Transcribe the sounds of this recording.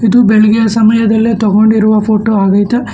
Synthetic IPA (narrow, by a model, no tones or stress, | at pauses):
id̪ubeɭɐɡɛjɐsɐmɐjɐd̪ɐlːet̪ɔɡoɳɖiɾuʋɐpʰoːʈoːaːɡɐjt̪e